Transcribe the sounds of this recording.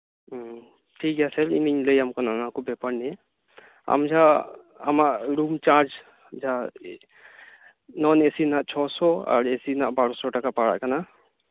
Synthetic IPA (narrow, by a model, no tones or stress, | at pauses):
ʈʰikɛsɛɾiniɲləjamkɔnanakɔbɛpəɽnɛ | a̰md͡ʒa | a̰maʔɾumt͡ʃaɾd͡ʒ | d͡ʒa | nɔnesinaʔt͡ʃʰɔsɔa̰ɾesinaʔbaɽɔsɔʈakapaɽa̰ʔkana